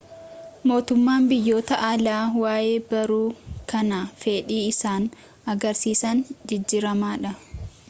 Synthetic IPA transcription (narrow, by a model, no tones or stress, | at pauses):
mo̞ːt̪ʊmːaːmbɪjːo̞ːt̪ɐʔalaːwaːjeːbɐɾuːkɐnafeːᶑiːɪsaːn | ɐɡɐɾsiːsɐnd͡ʒɪd͡ʒːiːɾɐmaːᶑɐ